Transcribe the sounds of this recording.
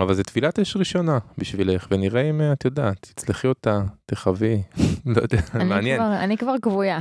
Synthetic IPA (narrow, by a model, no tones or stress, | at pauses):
avalzet̪filateʃʁiʃo̞nabiʃvileχveniʁeimat̪jod̪aːt̪i̥t͡sleχiot̪ateχavilojod̪eanmmeanjenanikvaʁkvuja